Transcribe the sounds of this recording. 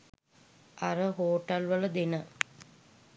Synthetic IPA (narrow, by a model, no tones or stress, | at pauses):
ʔaɾəɦoːʈɐlʋələd̪enə